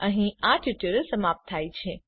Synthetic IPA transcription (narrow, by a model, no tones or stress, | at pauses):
əɦĩaʈjuʈəɾəsəmap̚t̪ʰːajt͡ʃʰe